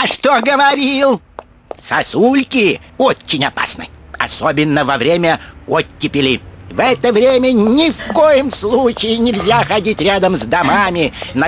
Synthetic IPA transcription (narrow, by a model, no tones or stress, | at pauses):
ɐʂt̪oɡəvɐɾʲilˠ | sɐsulʲkʲɪot͡ɕːɪnʲɐpa̰snɨ̰jɐ̰sobʲɪnːəvɐvɾʲemʲəot̪ʲːɪpʲɪlʲɪvɛt̪əvɾʲemʲənʲɪfkojɪmslˠut͡ɕɪjɪnʲɪlʲzʲaxɐdʲitʲɾʲad̪əmzd̪ɐmamʲɪnə